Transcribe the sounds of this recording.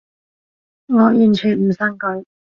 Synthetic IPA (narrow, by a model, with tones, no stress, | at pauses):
ŋɔː˨˧jyː˨˩nt͡ʃʰyː˨˩nm̩˨˩sɐ˧˥ŋkɵ˨˥